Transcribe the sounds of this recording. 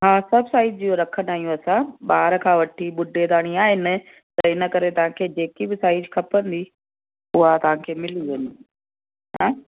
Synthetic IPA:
ɦãːsɐbʱsaːɪd͡ʒd͡ʑijoɾɐkʰənd̪aːijũɐsãɓaːɾkʰãːʋɐʈʰiɓʊɖʱed̪aːɽ̃iaːɦɪnɪ̆ | t̪ɐɪnə̆kɐɾet̪ɐʋ̤ãkʰeːd͡ʑeːkibɪsaːɪd͡ʒkʰɐpənd̪i | ʊɦat̪ɐʋ̤ãkʰeːmɪliʋɐɲi | ɦãː

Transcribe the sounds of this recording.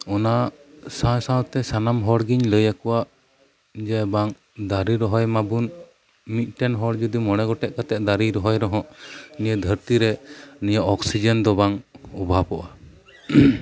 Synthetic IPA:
ɔnasãjsãwt̪ɛsanamɦɔɽɡiɲləjakɔwaʔ | d͡ʒɛbaŋ | d̪aɾiɾɔɦɔjmabun | mit̪̚ˀʈɛnɦɔɽd͡ʒud̪imɔɽ̃ɛɡɔʈɛʔ̚kat̪ɛʔ̚d̪aɾiɾɔɦɔjɾɔɦɔ̃ʔniəd̪ʱəɾt̪iɾɛnijaʔɔksid͡ʒənd̪ɔbaŋɔbʱapɔʔa

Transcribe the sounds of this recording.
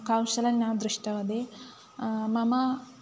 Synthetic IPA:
kawsɐlɐninaːd̪ɾiʂʈɐʋɐd̪e | mɐmɐ

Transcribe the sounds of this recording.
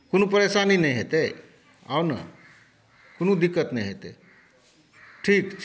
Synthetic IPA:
konupəɾesaninəjɦet̪e | a̰nə̰ | konud̪ikːət̪nəjɦet̪ḛ | ʈʰikt͡ʃʰ

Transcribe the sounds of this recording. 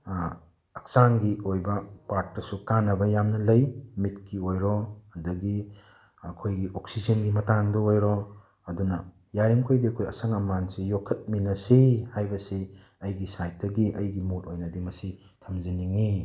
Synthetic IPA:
ɐk̚sanɡiojbɐpaɾt̚ːɐsukanɐbɐjamnɐlɐjmitkiojɾɔɐdɐɡi | ɐkʰojɡiʔoksizɐnɡimɐtaŋdɐojɾɔ | ɐdunɐ | jaɾimkʰojdiɐkʰojɐ̰sɐŋɐmansijokʰːɐt̚minɐsihajbɐsi | ɐjɡisajt̚dɐɡiʔɐjɡimutojnɐdimɐsi | tʰɐmziniŋi

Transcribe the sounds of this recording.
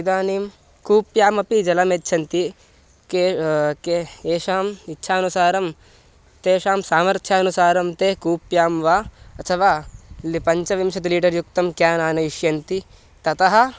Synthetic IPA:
id̪aːniːm | kuːpjaːmɐpid͡ʒɐlɐmeːtːʃʰɐnt̪i | kekeeːʃaːmitːʃʰaːɐnusaːɾɐm | t̪eːʃaːmsaːmɐɾt̪ʰjaɐnusaːɾɐmt̪eːkuːpjaːmʋaːɐt̪ʰɐʋaːlpɐɲt͡ʃɐʋimʃɐt̪̬iliːɖɐɾjuk̚t̪ɐmkjaːnaːnɐiʃjɐnt̪i | t̪ɐt̪ɐɦɐ̆

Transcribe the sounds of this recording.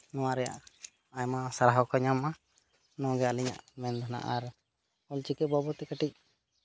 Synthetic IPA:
nɔ̃w̃aɾɛja̰ʔ | aɲmasaɾaɦɔkɔɲamːa | nɔ̃ɡɛaliɲa̰ʔmɛnd̪ɔna̰ʔaɾ | ɔlt͡ʃikɛbɔbɔt̪ɛkəʈic̚

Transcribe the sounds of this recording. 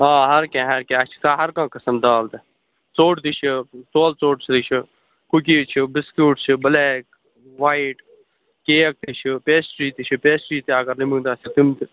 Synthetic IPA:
ãːɦɐɾkẽːɦɐɾkẽːɐt͡ʃʰi̥kaːɦɐɾkãːkɐsɐmd̪aːld̪ɐ | t͡soːʈt̪it͡ʃʰit͡soːlt͡soːʈsʰt̪it͡ʃʰi | kukiːt͡ʃʰibɪskuːʈt͡ʃʰibɐleːk | ʋaːiʈ | keːɐk̚t̪it͡ʃʰipeːsʈɾiːt̪it͡ʃʰipeːsʈɾiːt̪iaːɡɐɾlimũːd̪aːsit̪imt̪

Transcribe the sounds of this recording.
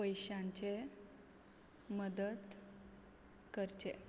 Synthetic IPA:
pəjɕãɲt͡ɕe | məd̪ət̪ | kəɾt͡ɕe

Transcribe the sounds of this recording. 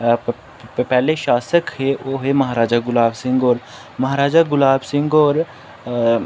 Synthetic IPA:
pɛːleʃaːsəkɦeʋoːɦemɐɦaːɾaːd͡ʒaɡʊlaːbsɪ̃ŋɡɔːɾ | mɐɦaːɾaːd͡ʒaɡʊlaːbsɪ̃ŋɡɔːɾ

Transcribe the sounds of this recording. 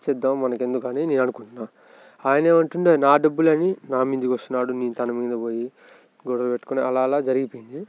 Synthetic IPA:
t͡ʃɛd̪ːaːmmɐnɐke̞nd̪ukaːnineːnɐnukuɳʈunaː | aːjɐneːmɐɳʈuɳʈeːnaːɖɐbːulɐninaːmind͡ʒ̪ikʋɐst̪unaːɽuniːnt̪ɐnɐmɡind̪ɐboːji | ɡɔɽɐlɐpeʈːukoneɐlaːlaːd͡ʒɐɾiɡipoːjind̪i

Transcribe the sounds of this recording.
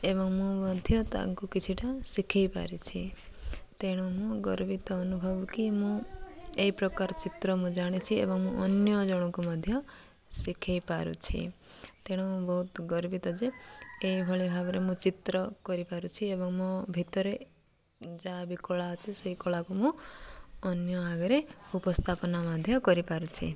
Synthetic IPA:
ebɔŋmũmɔd̪ʱjɔt̪a̰ŋkukit͡ʃʰiʈasikʰejpa̰ɾit͡ʃʰi | t̪eɽ̃ɔ̃mũɡɔɾbit̪ɔːnubʱɔbukimũeipɾɔkaɾɔt͡ʃit̪ɾɔmũd͡ʒaɽ̃it͡ʃʰiḛbɔŋmũʔɔnjɔd͡ʒɔɽ̃ɔ̃kumɔd̪ʱjɔ | sikʰejpaɾṵt͡ʃʰḭt̪eɽ̃ũmũbɔɦut̪ɡɔɾbit̪ɔd͡ʒeeibʱɔɭebʱabɔɾemũt͡ʃit̪ɾɔkɔɾipaɾut͡ʃʰiebɔŋmɔ̃bʱit̪ɔɾe | d͡ʒabikɔɭaɔt͡ʃʰeseikoɭakumũ | ɔnjɔaɡɔɾeupɔst̪ʰapɔnamad̪ʱjɔkɔɾipaɾut͡ʃʰḭ

